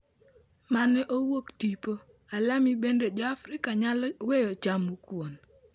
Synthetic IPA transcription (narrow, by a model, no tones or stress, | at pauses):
manɛʔowoktipo | alamibendod͡ʒɔafɾikaɲalɔwejɔt͡ʃamukwon